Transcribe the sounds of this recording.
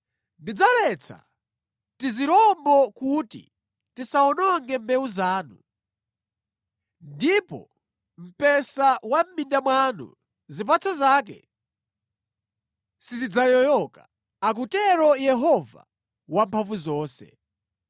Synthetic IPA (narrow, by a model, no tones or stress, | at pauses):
ndid͡zalɛt͡sʰa̰ | tiziɾɔmbɔkutḭ | tisaɔnɔŋɡɛmbɛuzaːnu | ndipɔ̰ | m̩pɛsawam̩mindamwanṵ | zip̬at͡sʰɔzaːk̬ɛ̰ | sizid͡zajɔjɔka | ak̬utɛɾɔjɛɦɔva̰ | wampʰaɱvuzɔːsɛ̰